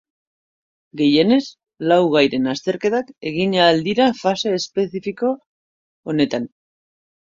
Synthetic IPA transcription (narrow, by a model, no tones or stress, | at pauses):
ɡe̞je̞ne̞s | lawɣ̞ajɾe̞nast̪e̞ɾke̞t̪ake̞ɣ̞iɲaːld̪iɾafase̞ːspe̞θifiko̞ː | ne̞t̪an